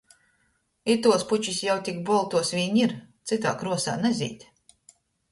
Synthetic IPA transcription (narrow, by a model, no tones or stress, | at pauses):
it̪uɔsput͡ʃisjawt̪ʲikbɔlˠt̪uɔsvʲiɲiɾt̪sit̪̬a̰ːkɾuɔsa̰ːnɛzʲḭːt̪ʲ